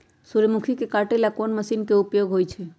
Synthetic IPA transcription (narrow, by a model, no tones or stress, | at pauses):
suɾəmukʰikekaʈelakonməsinkeupjoɡɦojt͡ʃʰɛ